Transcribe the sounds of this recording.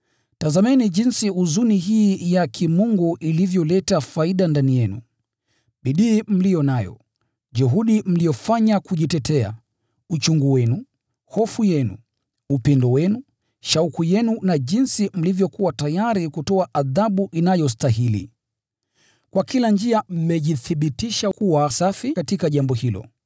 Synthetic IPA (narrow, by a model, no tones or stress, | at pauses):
tazamɛniʄinsiuzuniɦiːjakʰimuŋɡuʔilivjɔlɛtafaiɗandanijɛnṵ | ɓiɗiːm̩lijɔnajɔ̰ | ʄuɦuɗim̩lijɔfaɲakuʄitɛtɛa̰ | ut͡ʃuŋɡuwɛnu | hɔfujɛnṵ | upɛndɔwɛnu | ʃaukujɛnunaʄinsim̩livjɔkuwatajaɾikutɔaʔaðaɓuʔinajɔs̬taɦilḭ | kwakiland͡ʒiam̩mɛʄiθiɓitiʃakuwasafikatikaʄambɔhilɔ̰